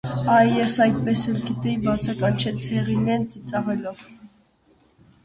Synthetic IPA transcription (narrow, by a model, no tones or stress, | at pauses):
ɑjjɛsɑjd̪̚pɛsɛlɡit̪ɛbɑt͡sʰɑkɑnt͡ʃʰɛt͡sʰhɛʁinɛnt͡sit͡sɑʁɛlɔv̥